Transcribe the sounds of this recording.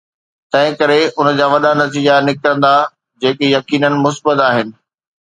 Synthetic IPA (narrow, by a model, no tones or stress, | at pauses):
t̪ɐ̃ɦɪ̃kɐɾeʔʊn̆d͡ʑaːʋɐɗanɐt̪iːd͡ʑanɪkɾə̃nd̪a | d͡ʑeːkejɐkiːnənɪ̆mʊsbət̪aːɦɪnɪ̆